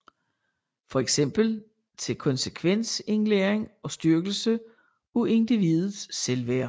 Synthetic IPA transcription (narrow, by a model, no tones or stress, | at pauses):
fɒ̽eɡ̥sem̰b̥l̩ | t͡sʰe̝lkʰɒ̽nsəkʰʋen̰se̝nleːɐeŋɒ̽sd̥yɐɡ̥l̩sə | ue̝nd̥iʋið̩ˠsːelʋæɐ̰